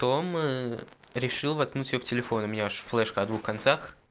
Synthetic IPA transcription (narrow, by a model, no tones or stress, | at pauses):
t̪oməɾʲɪʂɨlˠvɐt̪̚knutʲɪjoftʲɪlʲɪfo̞nʊmʲɪnʲaʂflˠɛʂkəɐd̪vuxkɐnt̪sax